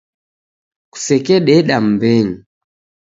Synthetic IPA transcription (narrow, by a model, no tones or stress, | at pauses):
ku̥sɛkɛɗɛɗam̩bɛŋi